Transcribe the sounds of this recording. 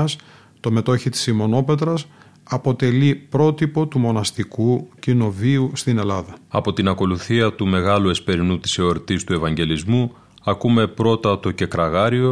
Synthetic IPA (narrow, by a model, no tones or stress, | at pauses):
ɐs | t̪o̞me̞t̪o̞çit̪i̥simo̞no̞pe̞t̪ɾɐs | ɐpo̞t̪e̞lipɾo̞t̪ipo̞t̪umo̞nɐst̪ikucino̞viust̪ine̞lɐðɐɐ̰po̞t̪inɐko̞luθiɐt̪ume̞ɣɐlue̞spe̞ɾinut̪i̥seo̞ɾt̪ist̪ue̞vɐɲɟe̞lizmu | ɐkume̞pɾo̞t̪ɐt̪o̞ce̞kɾɐɣɐɾio̞